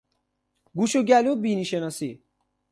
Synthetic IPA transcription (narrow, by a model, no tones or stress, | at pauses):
ɡuʃuɡælubiniʃenasi